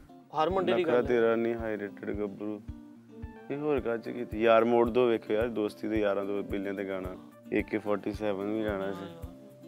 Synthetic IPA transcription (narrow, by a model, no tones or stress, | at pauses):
əɾməɳəiːkɾaːt̪eːɾaːnĩːɦaːileːʈəɖɡəbɾuː | eːɦoːɾkaːt͡ʃkiːt̪ʰːjaːɾmoːɖd̪oːʋeːkʰejaːɾd̪oːst̪iːd̪eːjaːɾãːd̪oːbɪljãːd̪eːɡaːnaː | ɪkepʰɔːɾʈiːsɛːʋənʋĩːd͡ʒaːɽ̃aːsiː